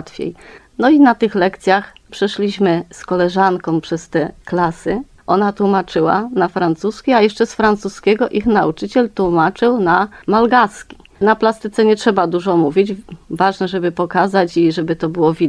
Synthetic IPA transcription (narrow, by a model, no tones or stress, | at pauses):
t̪fʲjḛj | nɔinat̪ɘxlɛkt̪sʲjaxpʂɛʂlʲiɕmɘskɔlɛʐankɔ̃w̃pʂɛst̪ɛklasɘ | ʔɔnat̪wumat͡ʂɘwa̰nafɾant̪suskʲiajɛʂt͡ʂɛsfɾant̪suskʲɛɡɔʔixnaut͡ʂɘt͡ɕɛlt̪wumat͡ʂɘwnamalɡaskʲi̥ | naplast̪ɘt̪sɛɲɛtʂɛbad̪uʐɔmuvʲid͡ʑvaʐnɛʐɛbɘpɔkazat͡ɕiʐɛbɘt̪ɔbɘwɔvʲi